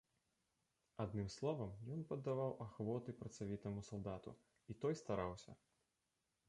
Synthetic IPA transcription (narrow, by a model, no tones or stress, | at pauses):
ad̪nɨmslˠɔvɐmjɔnpɐd̪ːavawʔaxvɔt̪ɨpɾɐt̪savʲit̪ɐmusalˠd̪at̪ṵ | it̪ɔjst̪aɾawsʲɐ̰